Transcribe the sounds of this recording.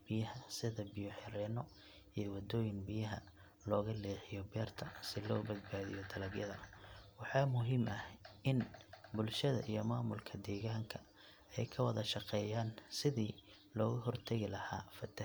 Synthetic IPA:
b̥ɪjɐhɐsɪðɐbɪjɔħɛɾɛːnɔ | ijɔwɐd̪ɔːjɪnbɪjɐɦɐ | lɔːɣɐlɛːħɪjɔbɛːrt̪ʰɐsɪlɔːbɐdbaːðijɔd̪ɐlɐɡjɐðɐ̰wɑħɑːmʊɦiːmʔɐhɪnbʊlʃɐðɐ̰ʔijɔmaːmʊlkʰɐd̪ɛːɣaːŋkʰɐ | ɛjkʰɐwɐðɐʃɑqɛːjaːnsɪðiː | lɔːɣʊɦɔrt̪ʰɐɣɪlɐhaːfɐt̪ʰɐ

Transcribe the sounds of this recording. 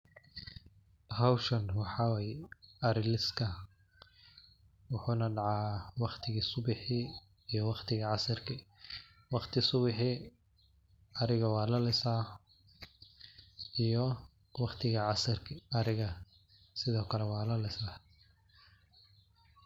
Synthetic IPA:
hɐwʃɐnwɑħɑwɛjɐɾɪlɪskʰɐ | wʊħuːnɐɖɑʕɑːwɑχt̪ʰɪɣiːsʊbɪħɪ | ijɔwɑχt̪ʰɪɣɐʕɑsɐrkʰɪ | wɑχt̪ʰɪsʊβɪħɪ | ɐɾɪɣɐwɑːlɐlɪsaː | ʔijɔ | wɑχt̪ʰɪɣɐʕɑsɐrʰɐɾɪɣɐ | sɪðɔːkʰɐlɛwɑːlɐlɪsa

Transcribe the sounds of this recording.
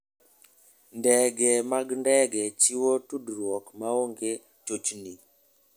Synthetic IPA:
ndɛɡɛmaɡndɛɡɛt͡ʃiwotudɾwɔkmaoŋɡe | t͡ʃot͡ʃni

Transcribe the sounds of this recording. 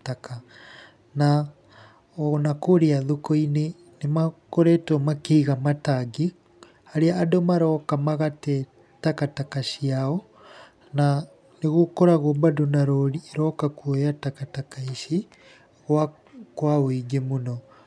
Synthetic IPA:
taka | na | ɔnakoɾeaðokoine | nemakoɾɛtɔmakeːɣamataɡi | aɾeaːdomaɾɔkamaɣatɛ | takatakaʃiaɔ | na | neɣokɔɾaɣobadonaɾɔɾieɾɔkakuɔjatakatakaiʃi | ɣwa | kwaoiɡemonɔ

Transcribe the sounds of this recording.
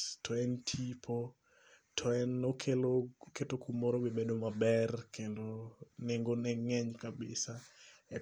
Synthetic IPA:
tʰɔɛntʰipʰo | tʰɔɛnokʰeloketokumːɔɾowebedomabɛrkʰendoneŋɡonɛŋɛɲkabɪ̰saɛ

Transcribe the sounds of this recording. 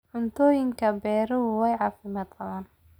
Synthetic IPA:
ʕʊnt̪ʰɔːjɪŋkʰɐbɛːɾɔɦʊwɛjʕɑːfɪmaːd̪qɐðaːn

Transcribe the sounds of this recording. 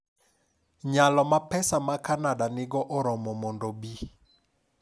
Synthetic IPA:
ɲalɔmapɛsamakanadanɪɡɔʔɔɾɔmɔmɔndɔbi

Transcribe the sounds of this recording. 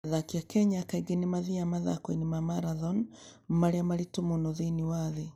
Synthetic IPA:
aðakiakɛɲakaiɡenemaðiamaða̰kwinimamaɾaðɔnmaɾeamaɾitomonɔðeniwaðe

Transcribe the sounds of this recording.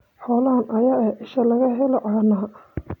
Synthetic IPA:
ħɔːlɐɦɐnʔɐjaːɛʔɪʃɐlɐɣɐɦɛlɔʕɑːnaː

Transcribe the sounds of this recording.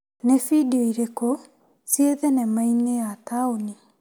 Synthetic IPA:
nefidioiɾeko | sieðɛnɛmainejataoni

